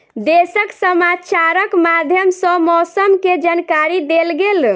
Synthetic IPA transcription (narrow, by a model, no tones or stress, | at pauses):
d̪esəksəmat͡ʃaɾəkmad̪ʱjəmsəmɔsəmked͡ʒankaɾid̪elɡel